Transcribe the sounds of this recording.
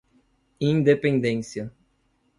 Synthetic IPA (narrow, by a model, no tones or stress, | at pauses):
ĩnd̪epẽnd̪ẽsjɐ